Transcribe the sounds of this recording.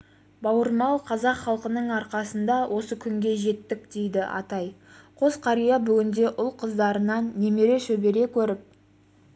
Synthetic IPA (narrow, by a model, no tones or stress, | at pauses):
bɑwəɾmɑlˠqʰɑzɑqχɑlˠqənəɴɑɾqɑsənd̪ɑwʔo̞səkʲʰʏŋɡʲe̞ʒe̞t̪ːɪk̚d̪̥e̞jd̪ɪʔɑ̰t̪ɑjqʰo̞zqʰɑɾijɑbʏɡʲɪnd̪e̞ʔʊlˠqʰəzd̪ɑɾənɑnːe̞me̞ɾe̞ʃɵbe̞ɾe̞kʲʰɵɾɪp̚